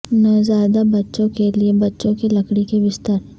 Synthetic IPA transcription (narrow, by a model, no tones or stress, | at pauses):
nazjaːd̪abɐtːʃõkeliebɐtːʃõkilɐkɽikebɪst̪əɾ